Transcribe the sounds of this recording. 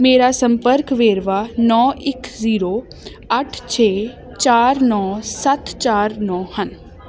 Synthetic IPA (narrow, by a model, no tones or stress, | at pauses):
meːɾasə̃mpəɾkʋeːɾʋaːnɔːɪkʰziːɾoː | əʈʰt͡ʃʰeː | t͡ʃaːɾnɔːsət̪t͡ʃaːɾnɔːhən